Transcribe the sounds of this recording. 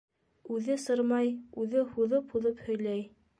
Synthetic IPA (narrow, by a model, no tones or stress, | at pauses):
ʉðɘsɤɾmɑjʉðɘhuðɤphuðɤphɵ̆jlæj